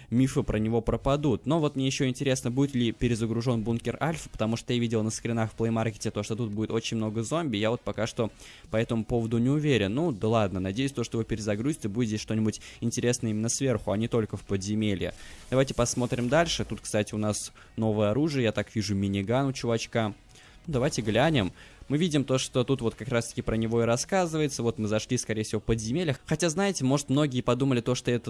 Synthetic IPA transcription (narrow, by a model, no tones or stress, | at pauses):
mʲifɨpɾənʲɪvo̞pɾəpɐd̪ut̪no̞vo̞t̪mnʲejɪɕːo̞ɪnʲtʲɪɾʲe̞snəbudʲɪt̪lʲɪpʲɪɾʲɪzəɡɾʊʐo̞nbunkʲɪralʲfə̥pə̥t̪ɐmuʂt̪ot̪javʲidʲɪlˠnəskɾʲɪnaxfplˠəjmarkʲɪ̥tʲɪt̪o̞ʂt̪ot̪ut̪̚budʲɪt̪o̞t͡ɕɪnʲmnoɡəzo̞mbʲɪjavo̞t̪̚pɐkaʂt̪o | pɐɛt̪əmʊpo̞vəd̪ʊnʲɪʊvʲeɾʲɪnːud̪əlˠad̪̚nənɐdʲejʉsʲt̪oʂt̪ovopʲɪɾʲɪzɐɡɾuzʲɪ̥t̪ʲəbudʲɪt̪ʲesʲʂt̪o̞nʲɪbʊtʲɪnʲtʲɪɾʲe̞snəimʲɪnːəsvʲerxʊɐnʲɪt̪o̞lʲkəfpəd̪zʲɪmʲelʲɪ̰d̪̥ɐvajtʲɪ̥pɐsmo̞t̪ɾʲɪmd̪alʲʂɨt̪ut̪̚kst̪atʲɪʊnas | no̞vəjəɐɾuʐɨjəjat̪akvʲiʐʊmʲɪnʲɪɡanʊt͡ɕʊvɐt͡ɕka | nud̪ɐvajtʲɪɡlʲænʲɪmːɨvʲidʲɪmt̪oʂt̪o̞t̪ut̪vo̞t̪kɐkɾast̪ə̥kʲɪpɾənʲɪvo̞ɪɾɐskazɨvəjɪt̪səvo̞t̪mɨzɐʂlʲiskɐɾʲejfsʲɪvofpəd̪zʲɪmʲelʲəxɐtʲaznajɪtʲɪmo̞ʐɨt̪mno̞ɡʲɪjəpɐd̪uməlʲɪt̪o̞ʂt̪oɛt̪ə